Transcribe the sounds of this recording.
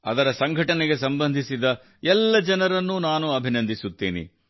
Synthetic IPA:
ɐ̰d̪ɐɾɐsɐŋɡʱɐʈɐneɡe̞sɐmbɐnd̪ʱisid̪ɐ | ɛlːɐd͡ʒɐnɐɾɐnːunaːnuɐbʱinɐnd̪ʱisut̪ːiːnḭ

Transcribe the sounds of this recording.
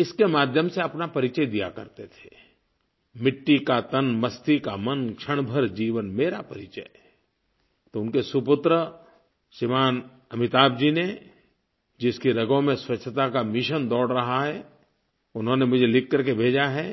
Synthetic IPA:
ɪskemaːd̪ʱjəmseɐpnapɐɾɪt͡ʃəjd̪ija̰kɐ̰ɾt̪et̪ʰe̥ | mɪʈːikat̪ənmɐst̪ikamɐnkʃʰɐɽ̃bʱəɾd͡ʒiːʋənmeːɾapɐɾɪt͡ʃə̰j | t̪oʊnkesʊpʊt̪ɾə | ʃɪmaːn | ɐmɪt̪aːbd͡ʒine | d͡ʒɪskiɾɐɡõmẽswɐtt͡ʃʰət̪akamɪʃənd̪ɔːɽɾɐɦaɦɛː | ʊnɦõnemʊd͡ʒʱelɪkʰːɐɾkebʱeːd͡ʒaɦɛː

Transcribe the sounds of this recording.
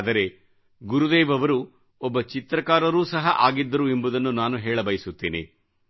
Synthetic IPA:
d̪ɐɾe̞ | ɡuɾud̪eːʋɐʋɐɾu | ɔbːɐt͡ʃit̪ɾɐkaːɾɐɾuːsɐɦɐ̰ʔaːɡid̪ːɐɾue̞mbud̪ɐnːunaːnuɦɛːɭɐbɐjisut̪ːeːnḛ

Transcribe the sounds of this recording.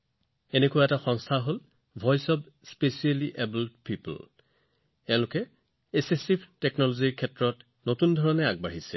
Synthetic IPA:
enekʊwaɛtaxɔŋstʰaɦol | bʱɔjsɔb | spesialiʔebuldpipl | ɛ̃ʊ̃lʊkɛ | esesipʰteknɔloziɹkʰɛtɹɔt | notundʱɔɹɔnɛaɡ̚baɦisɛ̰

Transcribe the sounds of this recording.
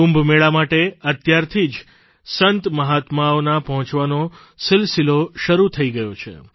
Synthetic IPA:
ũmbʱmeɭamaʈeət̪jaɾt̪ʰid͡ʒ | sənt̪məɦat̪maonapəɦɔ̃t͡ʃʋano | sɪlsiloʃəɾut̪ʰəiɡəjot͡ʃʰḛ

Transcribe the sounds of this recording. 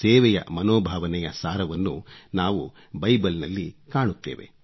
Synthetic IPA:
sɛːʋɛjɐ̰mɐnoːbʱaːʋɐnɛjɐsaːɾɐʋɐnːunaːʋu | bɐjbɐlnɐlːikaːɳut̪ːḛːʋe̞̰

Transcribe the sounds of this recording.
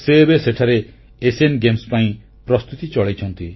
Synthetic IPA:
seːbeseʈʰaɾeː | senɡemspaĩ | pɾɔst̪ut̪it͡ʃɔɭejt͡ʃʰɔnt̪i

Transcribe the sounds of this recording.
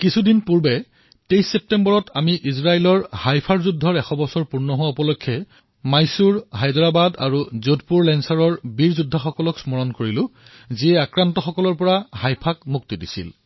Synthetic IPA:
kisʰudinpuɹbɛ | tejsːep̚tembɔɹɔtʰamiʔizɹaelɔɹhajpʰaɹzudʱːɔɹɛxʰɔbɔsɔɹpuɹnɔɦowaupɔlokʰːɛ | majsuɹhajdɔɹabada̰ɹuzodpuɹlɛnsaɹɔɹbiɹzudʱːaxɔkɔlɔksmɔɹɔnkoɹilʊ̃ | ziɛakɹantɔxɔkɔlɔɹpɔɹahajpʰakmuk̚tidisḭl

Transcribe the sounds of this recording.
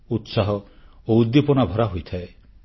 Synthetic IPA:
ut̪saɦɔ | oud̪ːipɔnabʱɔɾaɦojt̪ʰae

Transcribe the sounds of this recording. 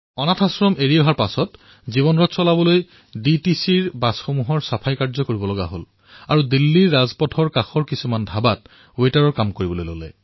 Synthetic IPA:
ɔnatʰasɹɔmeɹijɔɦaɹpasɔt | zibɔnɹɔtsɔlabɔloj | ditisiɹbasxomuɦɔɹsapʰajkaɹzɔkoɹibɔlɔɡa̰ɦo̰l | aɹudilːiɹːazpɔtʰɔɹkaxɔɹkisumandʱabat̚ | wetaɹɔɹkamkoɹibɔlojlo̰lɛ̰

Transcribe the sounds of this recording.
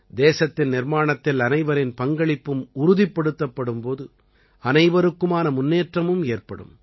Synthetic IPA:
d̪eːsɐt̪ːɪnnɪɾmaːɳɐt̪ːɪlɐnɐɪʋɐɾɪnpɐŋɡɐɭɪpːɯmʊɾʊðɪpːɐɽɯt̪ːɐpːɐɽɯmpoːðɯ | ɐnɐɪʋɐɾɯkːɯmaːnɐmʊnːeːʈrɐmɯmeːrpɐ̰ɽɯ̰m

